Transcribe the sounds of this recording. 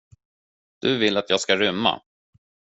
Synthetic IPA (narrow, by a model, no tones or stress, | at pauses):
d̪̥ɵvɪlːat̪ʰjɑːɡskaɾʏmːa̰